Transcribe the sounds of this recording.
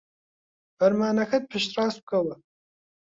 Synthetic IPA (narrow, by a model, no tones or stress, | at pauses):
b̥ɐrmaːnɐxɐt̚pʰɨʃtʼraːsp̚kʼɐwɐ